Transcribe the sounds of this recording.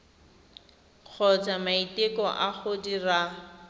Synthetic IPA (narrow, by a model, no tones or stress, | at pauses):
q͡χʰɔt͡samaitɪkɔʔaχʊdira